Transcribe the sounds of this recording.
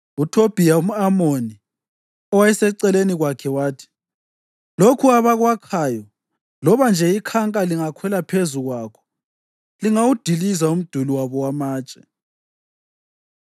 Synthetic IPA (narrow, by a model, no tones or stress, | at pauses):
utʰob̥ʱijaum̩amoni | ɔwaɛsɛǀɛleniɣwakʰɛwaːtʰi̥ | lokʰuaβaɣwakʰaːjɔ | lɔβand͡ʒʱɛikʰaŋkʼaliŋakʰwɛlapʰezuɣwaːkʰɔ̥ | liŋawud̥ʱilizaum̩d̥ʱuliwaβɔwamaːt͡ʃʼɛ